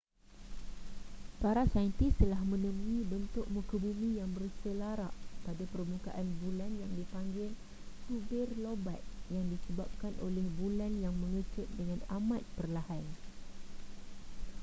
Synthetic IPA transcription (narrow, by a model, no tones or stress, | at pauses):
paɾasant̪ist̪əlahmə̃nəmuibənt̪ʊʔ̚mũkəbumĩjaŋbərsəlaɾa̰ʔpadapərmuka̰ʔanbulanjaŋdipaŋɡɪl | subɪrloba̰t̪̚jaŋdisəbap̚kanʔo̰lɛhbulanjaŋmə̃ŋət͡ʃʊt̪̚dəŋãnamãt̪̚pərlahan